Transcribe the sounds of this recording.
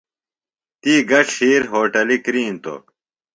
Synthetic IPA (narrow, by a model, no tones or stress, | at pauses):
t̪iːɡɐʂhiːɾɦoːʈɐlikɾiːnt̪o̰